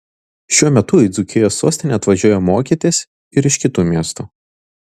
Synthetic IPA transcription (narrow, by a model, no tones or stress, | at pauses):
ʃʲuɔmʲɛt̪ʊɪd̪zʊkʲɪjoːsːuɔsʲt̪ʲɪnʲɛɐt̪ʋɐʒʲuɔjomoːkʲiɛt̪ʲesʲ | ɪɾɪʃʲkʲɪt̪uːmʲiɛst̪uː